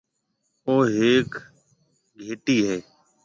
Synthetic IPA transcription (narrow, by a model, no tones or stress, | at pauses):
oːɦeːk | ɡʱeːʈiːɦeː